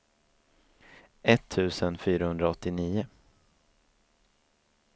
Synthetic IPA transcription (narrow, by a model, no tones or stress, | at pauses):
ʔɛt̪ʰːʉ̟ːsənfyːɾahɵnd̪ɾaɔt̪ːɪniːʊ